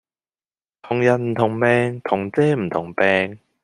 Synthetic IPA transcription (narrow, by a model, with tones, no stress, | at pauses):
t̪ʰʊ˨˩ŋjɐ˨n̚m̩˨˩t̪ʰʊ˨˩ŋmɛː˧ŋt̪ʰʊ˨˩ŋt͡sɛː˥m̩˨˩t̪ʰʊ˨˩ŋpɛː˧ŋ